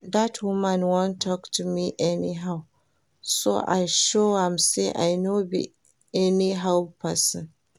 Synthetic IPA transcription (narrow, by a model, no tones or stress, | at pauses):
datwʊmãnwɔ̃ntʰɔktʰumiʔɛniɦaʊ | so̰ʔa̰jʃohãmseʔa̰jnobḭ | ɛniɦalpʰasɪ̰̃n